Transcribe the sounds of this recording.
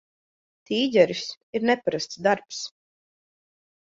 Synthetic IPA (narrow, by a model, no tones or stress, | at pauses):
t̪iːzʲɛɾis | iɾnɛpaɾast̪sd̪aɾps